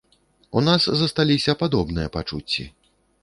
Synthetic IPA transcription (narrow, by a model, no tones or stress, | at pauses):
unaszɐst̪alʲisʲɐpad̪ɔbnɨjɐpat͡ʂut͡sʲːḭ